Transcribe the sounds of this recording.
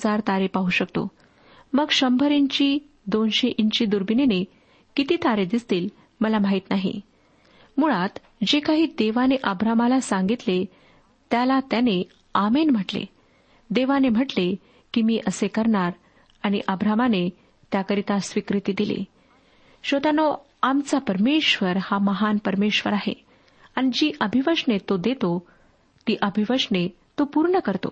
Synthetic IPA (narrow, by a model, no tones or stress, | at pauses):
d͡zaɾt̪aɾepaɦuɕəkt̪o̰ | məɡɕəmbʱəɾiɲt͡ɕiː | d̪onɕeʔiɲt͡ɕiːd̪uɾbinene | kit̪iːt̪aɾed̪ist̪iːl | məlamaɦit̪naɦḭ | muɭat̪ | d͡ʑekaɦiːd̪eʋaneʔəbɾamalasãŋɡit̪le | t̪jalat̪jane | amenm̤əʈlḛ | d̪eʋanem̤əʈle | kimiːʔəsekəɾɳaɾ | aɽ̃iʔəbɾamane | t̪jakəɾit̪asʋikɾit̪iːd̪ilḛ | ɕod̪ano | amt͡sapəɾmeɕʋəɾhaməɦanpəɾmeɕʋəɾaɦḛ | aɽ̃id͡ʑiːʔəbʱiʋəʂɳet̪od̪et̪o | t̪iːʔəbʱiʋəʂɳe | t̪opuɾɳəkəɾt̪o̰